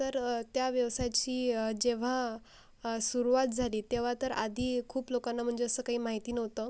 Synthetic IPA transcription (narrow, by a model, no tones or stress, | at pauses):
t̪əɾt̪jaʋjəʋsajt͡ɕiːd͡ʑeʋ̤a | suɾuʋat̪̚d͡zʱaliːt̪eʋ̤at̪əɾa̰d̪ʱiːkʰuːplokanːam̤əɳd͡zeəsəːkaɦiːmaɦit̪iːnəʋt̪ə